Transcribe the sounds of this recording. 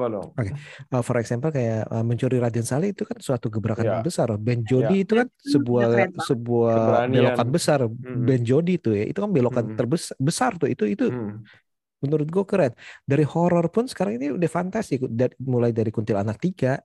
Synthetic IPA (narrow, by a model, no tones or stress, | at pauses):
okeəfɔɾɛksampəlkajaəməɲt͡ʃuɾiɾadansaliit̪ukansuat̪uɡəbɾakanəbəsarabɛnd͡ʒodiːt̪ukansəbuasəbuabelokanbəsarbɛnd͡ʒodit̪ʊhjaʔḭt̪ukanbelokant̪ərbəsbəsart̪ʊit̪uit̪u | mənuɾʊt̪̚ɡuakəɾɛndaɾihɔɾɔrpʊnsə̥kaɾaŋiniudəhfant̪asikdamulajdaɾikunt̪ɪlanak̚t̪iɡaʔ